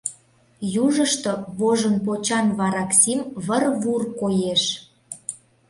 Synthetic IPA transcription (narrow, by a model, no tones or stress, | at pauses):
juʒəʃt̪oβoʒə̆np̬ot͡ɕɑnβɑɾɑksimβərβurkojeʃ